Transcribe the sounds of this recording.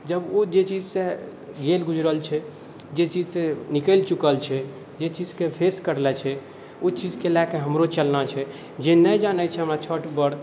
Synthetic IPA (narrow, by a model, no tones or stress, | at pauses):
d͡ʒəbod͡ʒet͡ʃid͡ʒse | ɡelɡud͡ʒɾəlt͡ʃʰɛ | d͡ʒet͡ʃid͡ʒsẽnikəlt͡ʃukəlt͡ʃʰɛ | d͡ʒet͡ʃid͡ʒkepʰeskəɾlɛt͡ʃʰɛ | ot͡ʃid͡ʒkelakeɦəmɾot͡ʃəlnat͡ʃʰɛ | d͡ʒenəjd͡ʒanɛt͡ʃʰɛɦəmɾat͡ʃʰəʈbəɽ